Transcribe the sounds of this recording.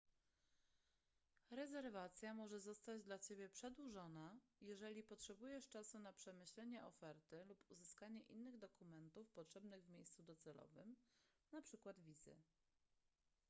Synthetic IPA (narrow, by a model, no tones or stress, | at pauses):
ɾɛzɛɾvat̪sʲjamɔʐɛzɔst̪ad͡ʑd̪lat͡ɕebʲjɛpʂɛd̪wuʐɔnajɛʐɛlʲipɔtʂɛbujɛʂt͡ʂasunapʂɛmɘɕlɛɲɛʔɔfɛɾt̪ɘlupuzɘskaɲɛʔinːɘɣd̪ɔkumɛnt̪ufpɔtʂɛbnɘɣvmʲejst̪sud̪ɔt̪sɛlɔ̰vɘ̰m | napʂɘkwad̪vʲizɘ̰